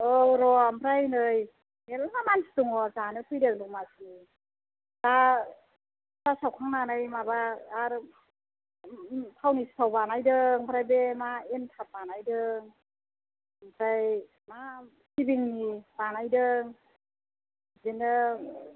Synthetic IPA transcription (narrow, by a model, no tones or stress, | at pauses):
ɯɾɔambʰɾajnɯj | elmamanstuŋɔzanɯpʰɯjdɯŋdɔŋmasni | ta | zasawkʰaŋnanajmabaːɾ | tʰawnistʰawbanajdɯŋbʰɾajbemaentʰap̚banajdɯŋ | ampʰɾaj | ma | sibiŋnibanajdɯŋ | zinɯ